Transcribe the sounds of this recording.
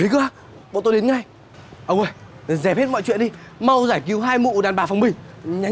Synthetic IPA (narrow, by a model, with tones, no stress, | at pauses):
i˨˦kɨ˧˦aː˧ | ɓo̰˧˨t̪o˧jɗe˨˦nŋa˧j | ʔə˨˧˩wə˨˧˩jzɛ˨˩p̚he˦˥t̚mɔ̰˧˨jt͡ɕwḭ˧˨ənɗi˧ma˧wzaː˧˩jki˨˦wɦaː˧jmṵ˧˨ɗaː˨˩nɓaː˨˩fa˨˩wŋ͡mɓï˨˩ŋɲa˨˦